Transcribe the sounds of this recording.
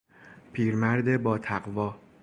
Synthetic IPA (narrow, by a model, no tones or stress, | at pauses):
pʰiːɾmæɾd̪e̞bɒːt̪ʰæɢvɒː